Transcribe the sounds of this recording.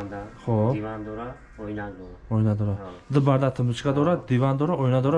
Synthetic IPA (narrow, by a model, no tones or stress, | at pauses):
χo | ɔjnad̪oɾad̪ɨbaɾd̪at̪ʰəmut͡ʃɡad̪ɔɾad̪ivand̪ɔɾaɔjnad̪ɔɾa